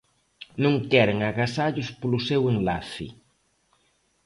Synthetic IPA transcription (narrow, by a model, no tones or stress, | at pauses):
nõŋkɛɾeŋaɣasaʎʊspolʊsɛweŋlaθɪ̰